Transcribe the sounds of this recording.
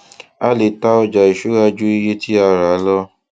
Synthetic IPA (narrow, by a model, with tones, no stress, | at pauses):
a˦le˨˦ta˦ɔ˧d͡ʒa˨i˨ʃu˨˦ɾa˧d͡ʒu˦i˧je˦ti˦a˧˨ɾa˨˦lɔ˦